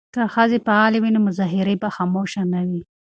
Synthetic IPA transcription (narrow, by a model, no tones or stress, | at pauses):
kaxazepaɑlewinomʊzɑɦɪɾebaxɑmoʃanawi